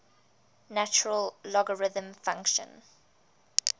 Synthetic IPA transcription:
nat͡ʃəɹəllɔɡəɹɪðə̃mfãŋkʃə̰̃n

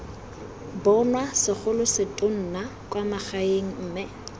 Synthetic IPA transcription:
bɔnwasɪχʊlʊsɪtʼon̩nakʼwamaχaeŋ̩ːmɪ

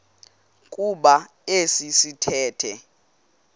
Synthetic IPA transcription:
kʼuɓa | esisitʰɛːtʰɛ

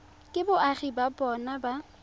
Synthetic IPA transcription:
kʼɪbʊʔaχibabʼɔnaba

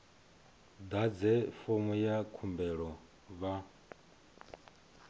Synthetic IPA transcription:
d̪ad͡zɛfomujakʰumbɛɺɔ | βa

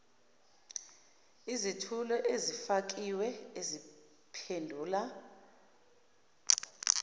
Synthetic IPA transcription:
izitʰulɔʔezifak̬ʼiwɛezi | pʰendʱuːla

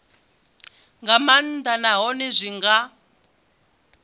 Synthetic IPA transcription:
ŋɡamand̪anaɦɔnizʷiŋɡa

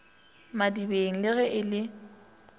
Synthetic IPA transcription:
madibeŋ̩lɪɣɛʔɪlɪ

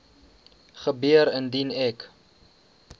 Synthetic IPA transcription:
χəbiəɾəndinɛk

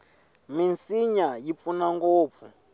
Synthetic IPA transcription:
minsiɲajip̪funaŋɡoːp̪fu

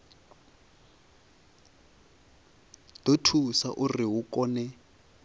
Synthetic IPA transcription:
d̥otʰusa̰ʔuriɦukʼɔːnɛ

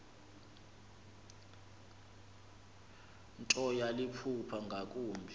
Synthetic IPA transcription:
ntʼɔjalipʰupʰaŋɡʱak̬ʼuːmbʱi

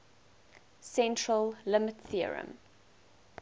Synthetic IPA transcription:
sɛ̃ntɹəlˠlɪmətθiə̰ɹə̰̃m

